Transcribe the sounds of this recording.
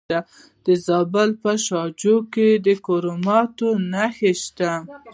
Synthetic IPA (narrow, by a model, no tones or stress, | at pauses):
a | d̪̥əzɑbəlpəʃɑd͡ʒoked̪əkoɾomɑt̪onaxeʃt̪a